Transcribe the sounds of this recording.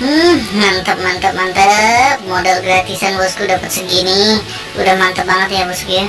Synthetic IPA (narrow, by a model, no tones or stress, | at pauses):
mant̪əp̚mant̪əp̚mant̪ət̪̚modalɡɾat̪isanbəskudapət̪səɡinɪ | ṵdahmant̪əp̚baŋət̪jabəsəɡia